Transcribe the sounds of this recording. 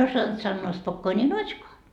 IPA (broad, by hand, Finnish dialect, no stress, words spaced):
osɑnt sɑnːoː spokːoːni notʲʃkoɑ